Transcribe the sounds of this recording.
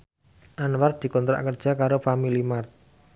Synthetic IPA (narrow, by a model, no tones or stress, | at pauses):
ʔanwar̚d̪̥i̤kɔnt̪ɾa̰ʔkərd̥ʒ̥a̤kaɾofamilimart̪̚